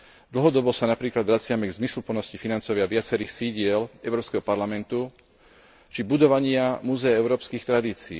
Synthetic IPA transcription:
d̪l̩ˠɦɔd̪ɔbɔsanapɾiːklad̪ʋɾat͡sɪamɛɡzmislupl̩nɔscifinant͡sɔʋɪaʋɪat͡sɛɾiːxsiɟɪɛlɛʊɾɔːpskɛɦɔpaɾlamɛnt̪u | t͡ʃibud̪ɔʋaɲɪamuːzɛjaɛʊɾɔːpskiːxt̪ɾad̪iːt͡siː

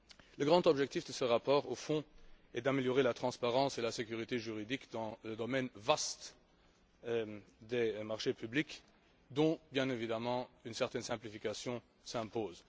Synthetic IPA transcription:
ləɡʁɑ̃t̪ɔbʒɛkt̪ifd̪əsəʁapɔːʁofɔ̃ɛd̪ameljɔʁelat̪χɑ̃spaʁɑ̃selasekʲyʁit̪eʒyʁid̪ikd̪ɑ̃ləd̪ɔmɛnvast̪ | d̪emaʁʃepyblik | d̪ɔ̃bjɛ̃nevid̪amɑ̃ynsɛʁt̪ɛnsɛ̃plifikasjɔ̃ | sɛ̃poːz

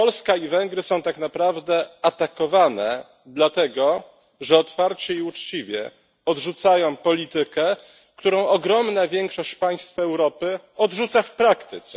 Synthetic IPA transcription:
pɔlskaivɛŋɡɾɘsɔ̃w̃t̪akn̪apɾavd̪ɛat̪akɔvanɛ | d̪lat̪ɛɡɔ | ʐɛɔt̪faɾt͡ɕɛiut͡ʂt͡ɕivʲjɛ̰ | ɔdʐut̪sajɔ̃w̃pɔlʲit̪ɘkɛ | kt̪uɾɔ̃w̃ɔɡɾɔmnavʲjɛŋkʂɔɕt͡ɕpaj̃st̪fɛwɾɔpɘ | ɔd̪ʐut̪safpɾakt̪ɘt̪sɛ

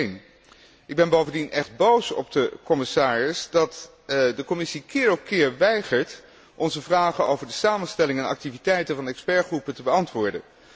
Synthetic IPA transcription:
n | ɪɡ̚bɛnbowvəndinʔɛχd̚bowsɔ̰b̚dəkɔmɪsaːrɪsdɑt | dəkɔmɪsikɪːɹɔp̚kɪːɹʋɛjχəɹt | ʔɔnzəvraːχənowvəɹdəsaːmənstɛlɪŋɛnɑ̰k̚tivitɛjtəvɑnɛkspɛɹχrupətəbəɑntʋʊːɹdə̰n

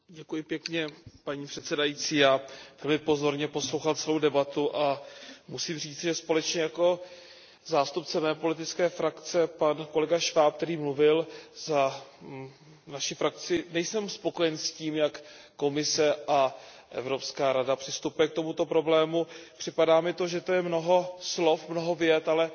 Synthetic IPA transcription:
ɟɛkujɪpjɛkɲɛpaɲiːpr̝̥ɛt̪sɛdajiːt͡siːjaːvɛlmɪpo̞zo̞ɾɲɛpo̞slowxalt͡sɛlo̞wdɛbat̪uʔamusiːmr̝iːt͡sɪʒɛspo̞lɛt͡ʃɲɛjako̞ | zaːst̪up̚t͡sɛmɛːpo̞lɪt̪ɪt͡skɛːfɾakt͡sɛpanko̞lɛɡaʃvaːp̚kt̪ɛɾiːmluvɪlza | naʃɪfɾak̚t͡sɪnɛjsɛmspo̞ko̞jɛnsciːmjakː | o̞mɪsɛʔa | ʔɛ̰vɾo̞pskaːɾadapr̥ɪst̪upujɛk̚t̪o̞mut̪o̞pɾo̞blɛːmupr̥ɪpadaːmɪt̪o̞ʒɛt̪ojɛmno̞ɦo̞slo̞fmno̞ɦo̞vjɛt̪alɛ

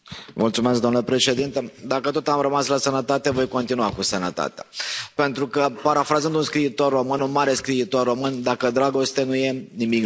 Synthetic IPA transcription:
mult̪sumeskd̪omnləpɾe̞ʃe̞d̪int̪əd̪akət̪o̞t̪amɾəmaslasənət̪at̪e̞vo̞jko̞nt̪inuakusənət̪a̰t̪ea̰pe̞nt̪ɾukəpaɾafɾazənd̪unskɾiːt̪o̞rːo̞mɨnunmaɾe̞skɾiːt̪o̞rːo̞mɨnd̪akəd̪ɾaɡo̞st̪enuje̞nimik

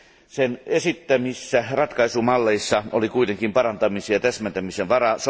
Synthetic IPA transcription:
senesit̪ːæmisːærɑt̪kɑisumɑlːeisːɑo̰likuit̪eŋkimpɑrɑnt̪ɑmisijɑt̪æsmænt̪æmisenʋɑrɑs

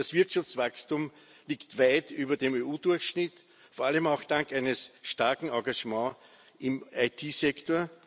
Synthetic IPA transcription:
dasv̥ɪɐtʃaft͡sv̥akstum | liːktvaɪtyːbɐdemeːuːd̥ʊɐçʃnɪt | foːɐʔaləmaʊxd̥ãŋkæɪnəsʃtaɐkŋ̩ɑ̃ɡaʒmɑ̃ː | ʔɪmʔaɪtʰiːzɛktoːɐ

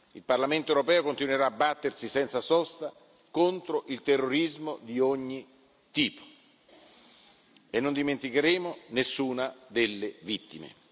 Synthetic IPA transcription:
ilparlament̪oewɾopɛːokont̪inweɾaːbːat̪ːersisɛnt̪sasɔst̪a | kont̪ɾoʔilt̪erːoɾizmod̪ioɲːi | t̪iːpo̥ | enːond̪iment̪ikeɾeːmonesːuːnad̪elːevit̪ːimḛ

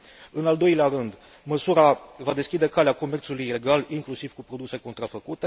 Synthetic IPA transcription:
ɨnald̪o̞jleaɾɨnd̪ | məsuɾavad̪e̞skʲid̪e̞kaleako̞me̞rt̪sulujile̞ɡaliŋklusiv̥kupɾo̞d̪use̞ko̞nt̪ɾafəkut̪e̞

